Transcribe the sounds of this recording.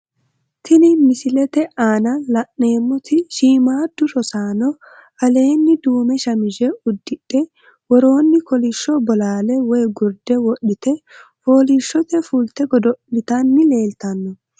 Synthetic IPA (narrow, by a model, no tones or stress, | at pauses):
t̪ɪnɪmɪsɪlɛt̪ɛʔaːnɐlɐʔne̞ːmːɔt̪ɪʃiːmaːd̪ːʊʃɔsaːnɔ | ɐle̞ːnːɪd̪uːmɛʃɐmɪʒɛʊd̪ːɪᶑɛ | wɔɾo̞ːnːɪkɔliʃːɔbɔlaːlɛwɔjɡʊɾd̪ɛwɔɗːɪt̪ɛfo̞ːliʃːɔt̪ɛfult̪ɛɡɔd̪ɔɪt̪ɐnːɪle̞ːlt̪ɐnːɔ